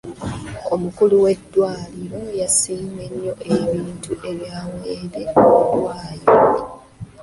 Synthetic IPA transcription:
omukuluwe̞dːwaːliɾo̞jasiːme̞ɲːo̞ʔe̞βiːntuʔe̞βjaːweːɾeoβudwaːji

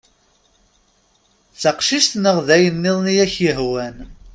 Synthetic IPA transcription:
t͡sːəqʃiʃt̪nəʁðæjənːɪðˤnijæçjəɦwæn

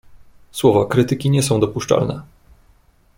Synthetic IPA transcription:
swɔvakɾɘt̪ɘkʲiɲɛsɔ̃w̃d̪ɔpuʂt͡ʂa̰lnɛ̰

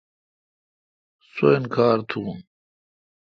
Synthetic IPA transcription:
soenkʰaːɾt̪ʰuːn

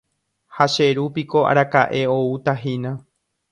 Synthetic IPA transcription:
haʃe̞ɾupiko̞a̰ɾakaʔe̞o̞ut̪aɦinã

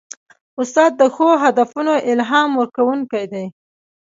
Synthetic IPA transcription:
ʊst̪ɑd̪̚ːəxoɦad̪afunoʔɪlɦɑmwəɾkawuŋkajd̪aj

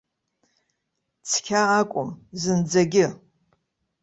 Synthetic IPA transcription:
t͡sʰkʲʰaːkʷʼʊmzɨnd͡zɐɡʲɪ

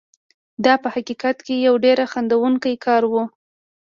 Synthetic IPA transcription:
d̪ɑpəhaqiqat̪kejawɖeɾaxand̪awuŋkajkɑɾwu

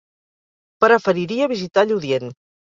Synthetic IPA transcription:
pɾəfəɾiɾiəβizit̪aʎuðjen

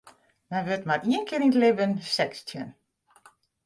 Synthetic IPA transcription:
mɛnʋøtmariənkʰɪːnitlɪbənsɛkstʰjən

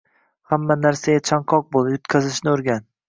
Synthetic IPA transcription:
hamːanaɾsaɡʲat͡ʃʰaŋqʰɒq̚bolˠjʊt̪kʲʰazɪʃnɪʊɾɡʲan

